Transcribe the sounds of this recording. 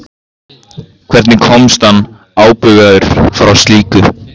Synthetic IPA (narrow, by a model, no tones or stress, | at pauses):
kʰv̥ɛɾt̪nɪkʰɔmst̪anː | aːwpʏɣaðʏɾ̥fɾawst̪liːkʏ